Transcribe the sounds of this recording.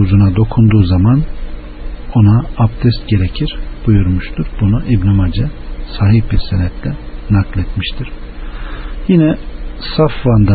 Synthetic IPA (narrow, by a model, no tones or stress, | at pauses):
uzunad̪o̞kʰund̪uːzaman | o̞naːpt̪ʰɛst̪̚ɟe̞ɾecʰiɾ̥b̥ujuɾmuʃt̪ʰuɾbunuʔibnimad͡ʒɛsaːɦihbiɾsenɛt̪ʰlʲɛnaklʲˠɛt̪miʃt̪ʰiɾ̥ | jinɛsafvand̪a